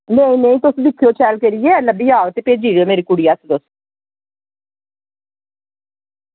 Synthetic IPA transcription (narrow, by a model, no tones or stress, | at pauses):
nə̃ĩnə̃ĩːt̪ʊsd̪ɪkʰːjoːt͡ʃʰɛːlkeɾijeːləbiːaːot̪eːpeːd͡ʒiːɾeoːmeːɾiːkʊɽiːəsʰt̪ʊs